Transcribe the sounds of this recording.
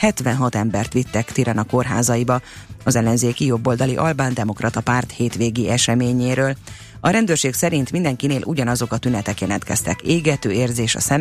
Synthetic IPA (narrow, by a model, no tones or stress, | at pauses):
hɛt̪ʋɛnɦɒt̪ɛmbɛrt̪ʋit̪ːɛkt̪iɾɛnɒko̞rɦa̰ːzɒjibɒɒzɛlːɛnzeːkijo̞bːold̪ɒliʔɒlbaːnd̪ɛmo̞krɒt̪ɒpaːrt̪heːt̪ʋeːɡiɛʃɛmeːɲeːɾøːl | ɒɾɛnd̪øːrʃeːksɛɾint̪mind̪ɛŋkineːlʔṵɟɒnɒzo̞kɒt̪ynɛt̪ɛkjɛlɛnt̪kɛ̰st̪ɛ̰keːɡɛt̪øːeːrzeːʃɒ̰sɛm